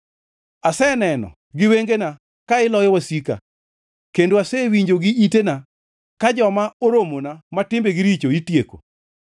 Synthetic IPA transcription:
asɛnɛnɔ̰ | ɡɪweŋɡena | kaɪlɔjɔwasika̰ | kendoasɛwiɲd͡ʒoɡɪʔitena | kad͡ʒɔmaoɾomonamatɪmbeɡɪɾit͡ʃoitjeko̰

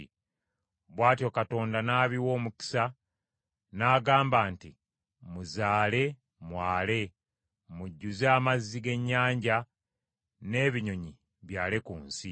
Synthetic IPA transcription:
βwaːtjo̞kato̞ːndanaːβiwo̞ːmuki̥sa | naːɡaːmbaːnti | muzaːle̞ | mwaːle̞ | muɟːuzaːmazːiɡe̞ɲːaːɲɟa | ne̞ːβiɲo̞ɲi | βjaːlekuːnsi

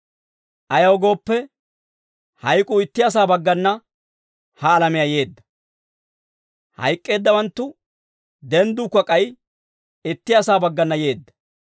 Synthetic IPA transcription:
ʔɐjɐwɡo̞ːpːɛ | hɐjkʼʊɪt̪ːɪjas̬aːbɐɡːɐnːɐ | hɐːlɐmɪjɐje̞ːd̪ːɐ̥ | hɐ̰jkʼːe̞ːd̪ːɐwɐnt̪ːʊ | d̪ɛnd̪ʊkːɐkʼɐj | ɪt̪ːɪjasaːbɐɡːɐnːɐje̞ːd̪ːɐ̥

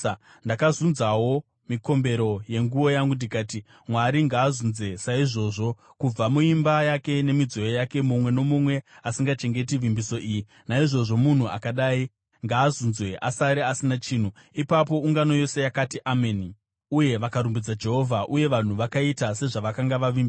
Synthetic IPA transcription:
ndakazunzawo̞ | miko̞mbe̞ɾo̞je̞ŋɡuo̞jaŋɡundikaːti | mwaɾiŋɡaːzunzwe̞saiʐo̞ʐo̞ | kub͡vamuimbajake̞ne̞mid͡zo̞jojake̞mumwe̞no̞mumwe̞asiŋɡat͡ʃe̞ŋɡe̞tiʋimbiso̞ʔiːji | naiʐo̞ʐo̞mun̤ua̰kaɗaːi | ŋɡaːzunzweʔa̰saɾeasinat͡ʃiːn̤u | ipap̬o̞uŋɡano̞jo̞se̞jakatiʔameni | uje̞ʋakaɾumbid͡zad͡ʒe̞ɦo̞vʱaʔuje̞ʋan̤uʋakaitase̞ʐaʋakaŋɡaʋaʋiːmbi

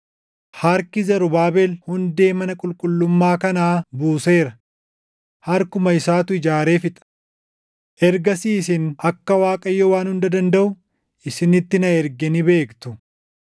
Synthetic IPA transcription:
haɾkɪzɐɾʊbaːbɛlhʊnd̪e̞ːmɐnɐkʼʊlkʼʊlːʊmːaːkɐnaːbuːse̞ːɾɐ | hɐɾkʊmɐɪsaːt̪ʊɪd͡ʒaːɾe̞ːfɪt̪ʼɐ̥ | ʔɛɾɡɐsiːsɪnɐkːɐwaːkʼɐjːowaːnhʊnd̪ɐd̪ɐnd̪ɐʔʊ | ʔɪsɪnɪt̪ːɪnɐɛɾɡɛnɪbe̞ːkt̪ʊ

